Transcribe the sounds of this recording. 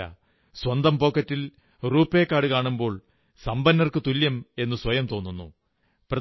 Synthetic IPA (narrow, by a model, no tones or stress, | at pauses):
ɐ̰ | swɐnd̪ɐmpo̞ːkːɐtːil | ruːpːe̞ːkːaːɽɨkaːɳumbo̞ːɭ | sɐmbɐnːɐrkɨt̪uljɐme̞nːɨswɐjɐmt̪o̞ːnːunːṵ | prɐ